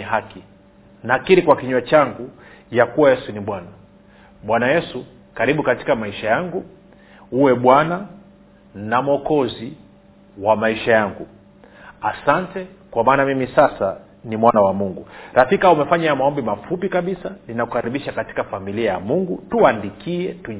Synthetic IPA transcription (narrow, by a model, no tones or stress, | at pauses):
ɛɦaki | nakiɾikwakiɲwat͡ʃaŋɡujakuwajɛsuniɓwana | ɓwanajɛsu | kaɾiɓukati̥kamaiʃajaŋɡu | uwɛɓwana | namɔkɔzi | wamaiʃajaŋɡu | asantɛ | kwamaːnamimisasa | nimwanawamuŋɡuɾafikaumɛfaɲajamaɔmbimafupikaɓisaninakukaɾiɓiʃakati̥kafamiliajamuŋɡutuandikʰiɛtu